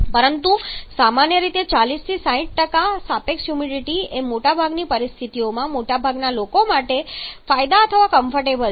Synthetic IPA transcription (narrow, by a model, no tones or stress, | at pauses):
pəɾənt̪usamanjəɾit̪et͡ʃalist̪ʰisaɦĩʈ̚ʈəkasapeksjumiɖiʈiemoʈabʱaɡnipəɾist̪ʰit̪iomãmoʈabʱaɡnalokomaʈefajd̪aət̪ʰəʋakəmfəɾʈebəl